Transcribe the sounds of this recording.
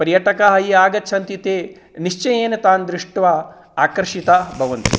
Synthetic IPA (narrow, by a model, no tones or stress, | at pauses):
pɐɾjɐʈɐkaɦɐɦiaːɡɐtːt͡ʃʰɐnt̪it̪eː | niʂt͡ʃɐjeːnet̪aːnd̪ɾiʂʈʋɐ | aːkɐɾʂit̪abʱɐʋɐnt̪i